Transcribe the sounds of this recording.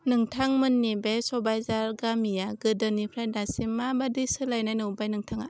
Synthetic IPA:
nɯŋtʰaŋmɯnːibesɔbajzaɾɡamijaɡɯdɯnipʰɾajdasimːabadisɯlajnajnɯwbajnɯŋtʰaŋa

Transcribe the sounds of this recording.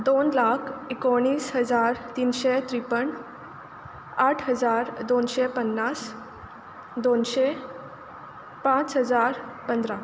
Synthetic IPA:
d̪onlakʰikoɽ̃iːsɦəd͡zaɾt̪iːnɕet̪ɾipəɳ | aʈʰɦəd͡zaɾd̪onɕepənːas | d̪onɕe | pãt͡sɦəd͡zaɾpənd̪ɾa

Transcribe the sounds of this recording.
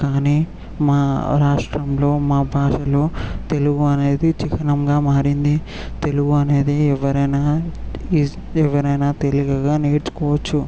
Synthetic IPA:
kaːniː | maːɾaːʂʈɾɐmlo̞ːmaːbʱaːʂɐlo̞ːt̪e̞luɡuɐne̞ːd̪it͡ʃikʰɐnɐmɡaːmaːɾind̪i | t̪e̞luɡuɐne̞ːd̪eːɛʋːɐɾɐjnaːi | ɛʋɐɾɐjnaːt̪e̞liɡɐɡaːneːɾt͡ʃu̥kɔːʋɐt͡ʃːu

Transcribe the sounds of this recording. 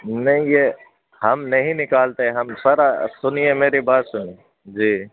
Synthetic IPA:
nɐɦĩjeː | hɐmnɐɦĩnɪkaːlt̪eɛ̃ɦɐmsɐɾasʊniemeːɾibaːt̪sʊni | d͡ʒiː

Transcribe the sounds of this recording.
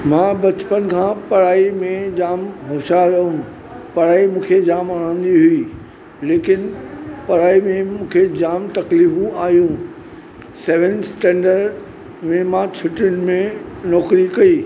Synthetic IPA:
mãːbɐt͡ɕpənkʰãːpɐɾaːimẽd͡ʑaːmɦoːʃaɾɐɦũ | pɐɾaːimũːkʰed͡ʑaːmɐɾ̃ãːn̆d̪iɦʊiː | leːkɪnpɐɾaːimẽmũːkʰed͡ʑaːmt̪ɐkliːfũʔaːɦijũ | sɛːʋə̃nsʈɛ̃ːɳɖəɾɖ | mẽmãːt͡ɕʰʊʈʊɽ̃ɪ̆mẽnɔːkɾikɐiː

